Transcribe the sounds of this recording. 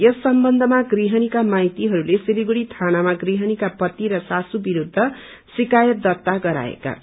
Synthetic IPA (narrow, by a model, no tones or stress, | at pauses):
jʌsːʌmbʌnd̪ʱʌmaɡriɦʌnikamajt̪iɦʌɾulesiliɡuɽit̪ʰanamaɡriɦʌnikapʌt̪ːiɾʌsasubiɾud̪ʱːʌ | sikajʌt̪̚d̪ʌt̪ːaɡʌɾa̰ḛka̰